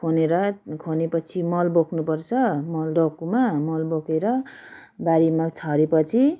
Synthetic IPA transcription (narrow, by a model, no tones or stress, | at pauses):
kʰoneɾʌkʰonepʌt͡sʰimʌlbokʰnupʌrt͡sʰʌmʌlɖʌkumamʌlbokʰeɾʌ | baɾimat͡sʰʌɾepʌt͡sʰi